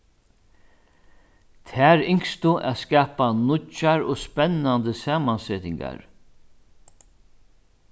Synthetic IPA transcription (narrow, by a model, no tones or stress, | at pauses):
t̪ʰæːɾɪŋkst̪ʊʔa̰ðskaːpanʊt͡ʃːaɾɔspɛnːand̪əsaːmansɛːt̪ɪŋka̰ɹ